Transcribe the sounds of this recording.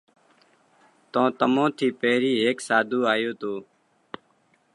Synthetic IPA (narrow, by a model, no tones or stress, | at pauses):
t̪õːt̪əmõːt̪ʰiːpeːɾiːɦeːksaːd̪ʱuːaːjoːt̪oː